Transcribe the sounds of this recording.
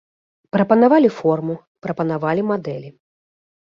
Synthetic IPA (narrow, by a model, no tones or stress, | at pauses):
pɾɐpɐnavalʲifɔrmu | pɾɐpɐnavalʲimad̪ɛlʲi